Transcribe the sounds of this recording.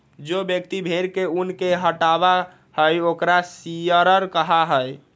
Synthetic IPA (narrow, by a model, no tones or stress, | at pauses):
d͡ʒobjəkt̪ibʱeɾkeunkeɦəʈaba | həjokɾasijəɾəɾkəɦaɦəj